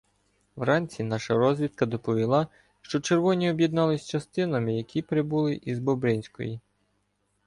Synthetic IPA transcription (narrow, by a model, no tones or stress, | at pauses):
wɾɑnʲt͡sʲinɑʃɐɾɔzʲʋʲit̪̚kɐd̪ɔpɔʋʲilˠɑ | ʃt͡ʃɔt͡ʃeɾʋɔnʲiɔbjɛd̪nɑlˠɪsʲt͡ʃɐst̪ɪnɐmɪjɐkʲʰipɾɪbulˠɪʔizbɔbɾɪnʲsʲkɔ̰ji